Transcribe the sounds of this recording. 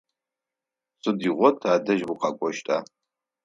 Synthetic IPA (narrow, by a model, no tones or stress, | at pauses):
sʼɨdiʁʷɔtʰaːdɐʒwiqɑkʷʼɔʃtʼa